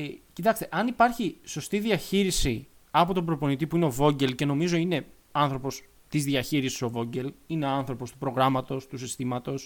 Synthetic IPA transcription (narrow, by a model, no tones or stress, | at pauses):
cit̪ɐkst̪e̞ʔɐnipɐɾçiso̞st̪iðiɐçiɾisi | ɐpo̞t̪o̞bɾo̞po̞nit̪̬ipuineo̞vo̞ɲɟe̞lce̞no̞mizo̞ine̞ | ɐnθɾo̞po̞s | t̪izðiɐçiɾisi̥so̞vo̞ɲɟe̞lineoɐnθɾo̞po̞st̪upɾo̞ɣɾɐmɐt̪o̞st̪usist̪imɐt̪o̞s